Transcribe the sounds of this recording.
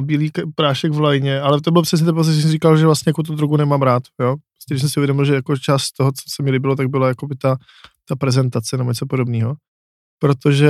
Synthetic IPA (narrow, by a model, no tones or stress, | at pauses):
biːliːkpɾaːʃɛɡvlajɲɛʔalɛt̪̬obɪlpr̥ɛs̬ɲɛt̪ɛnp̬ot͡sɪʒɛsɛmriːkalʒɛvlast̪ɲɛjakut̪od̪ɾuɡunɛmaːmɾaːt̪joːppɾo̥st̪cɛɡɾɪsɛmsɪuvjɛdomɪlʒɛjakot͡ʃaːst̪t̪oɦot͡sosɛmiliːbɪlot̪aɡ̚bɪlajakobɪt̪a | t̪apɾɛzɛnt̪at͡sɛnɛboɲɛt͡sopodobniːɦo̞ | pɾot̪oʒɛ